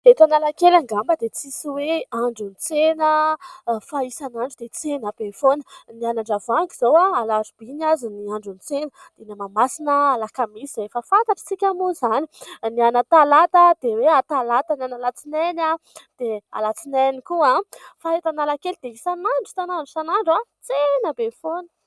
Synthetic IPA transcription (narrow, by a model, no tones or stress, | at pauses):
et̪analakelaŋɡambəd̪et͡sisiweaɳɖ͡ʐunit͡senə | faisanaɳɖ͡ʐid̪et͡senabefonənianaɳɖ͡ʐavaŋɡiz̥owaalazub̥iɲaziniaɳɖ͡ʐunit͡senə | d̪̥enamamasinəalakamisiefəfant̪aʈ͡ʂə̥t͡sikʲamozaninianət̪alat̪əd̪̥eweat̪alat̪ananalat͡sinɛnad̪̥ea̰lat͡sinɛnikuãfait̪analakelid̪eisanaɳɖ͡ʐu̥t̪anaɳɖ͡ʐusanaɳɖ͡ʐat͡senəbefonə̥